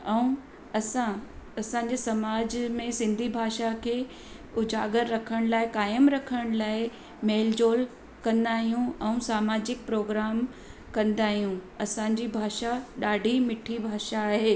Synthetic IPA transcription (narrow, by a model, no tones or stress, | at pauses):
ɛ̃ũ | ɐsãɐsãːɲ̆d͡ʑesɐmaːd͡ʑmẽsɪ̃nd̪ʱibʱaːʃakʰeː | ʊd͡ʑaːɡəɾːɐkʰəɽ̃laːɪkaːɪəmɾɐkʰəɽ̃laːɪ | meːld͡ʑoːl | kɐ̃nd̪aːɦijũɛ̃ũsaːmaːd͡ʑɪk̚pɾoːɡɾaːm | kɐ̃nd̪aːɦijũɐsãːɲ̆d͡ʑibʱaːʃaɗaːɖʱimɪʈʰibʱaːʃaːɦeː